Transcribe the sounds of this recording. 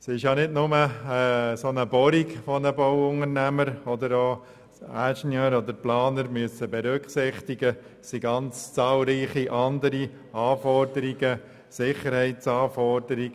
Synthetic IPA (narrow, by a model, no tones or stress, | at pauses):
sɪʃjɑnɪdnʊməː | sonəbɔɾiɡfɔnəbɔwʊŋəɾnæməɾɔd̪əɾoː | æʃnjøːɾɔd̪əɾplɑːnəɾmyəsəbɛɾʏkχsɪχt̪iɡə | siɡɑnt͡st͡sɑːlɾiːχiʔɑnd̪əɾi | ɑːfɔɾd̪əɾiɡə | sɪχəɾhɛɪtsɑːfɔɾdəɾiɡ